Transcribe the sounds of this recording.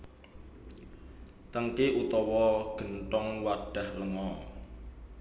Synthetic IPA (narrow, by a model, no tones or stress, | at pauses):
t̪əŋkeʔut̪ɔwɔɡ̥ə̤nʈɔŋwaɖ̥a̤hləŋɔ